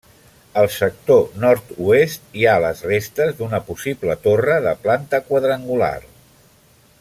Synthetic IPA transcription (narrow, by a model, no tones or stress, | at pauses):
əlˠsək̚t̪onɔɾt̪uest̪̚ialəzrest̪əzðunəpusiblət̪orəðəplant̪əkwəðɾəŋɡula̰r